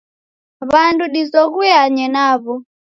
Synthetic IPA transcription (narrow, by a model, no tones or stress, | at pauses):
βanduɗizɔɣujaɲɛnaβɔ